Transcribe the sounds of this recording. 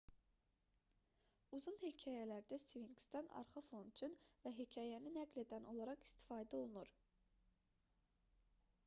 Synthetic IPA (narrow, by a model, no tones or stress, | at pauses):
uzunhicʰɑːjælæɾd̪æsiviŋɡst̪ɑnɑ̰ɾχɑfont̪ʰynvæɦicʰɑːjæninæɡle̞d̪ænʔo̞lˠɑɾɑχi̥st̪ʰi̥fɑːd̪æo̞lˠunuɾ